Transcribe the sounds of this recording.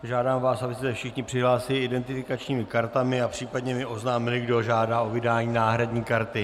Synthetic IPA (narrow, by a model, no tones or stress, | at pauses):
ʒaːdaːmvaːsʔabɪst̪ɛfʃɪxɲɪpr̥ɪɦlaːsɪlɪɪdɛnt̪ɪfɪkat͡ʃɲiːmɪkaɾt̪amɪapr̥iːpadɲɛmɪʔo̞znaːmɪlɪɡdoʒaːdaːo̞vɪdaːɲiːnaːɦɾadɲiːkaɾt̪ɪ